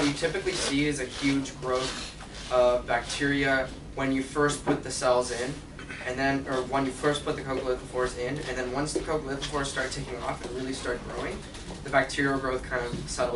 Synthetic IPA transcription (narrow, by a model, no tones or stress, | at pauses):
ʌt͡ʃɨtʰɪpɨklisiɪzɨhjʉd͡ʒɡɹoʊθ | ʌbæk̚tʰɪɹiɨ | wɨ̃njɨfɜ˞st̚pʰʊt̪̚ðɨsɛlˠzɪ̃n | ʔɨ̃nðɨ̃nə˞wʌ̃njɨfɜ˞spʰʊt̪̚ðɨkʰoʊkl̩ˠət̪̚ðəfɔɹzɪ̃nɨ̃nðɨ̃nwʌ̃nsðɨkʰoʊkl̩ˠɪt̪̚ðɨfʰɔɹstɑɹtʰeɪkɪ̃ŋɔfɨ̃nɹɪlˠistɑɹt̚ɡ̥ɹoʊɪ̃ŋ | ðɨbæk̚tʰɪɹiəɡɹoʊθkʰãɪ̃ndʌv̥sɛɾl̩ˠ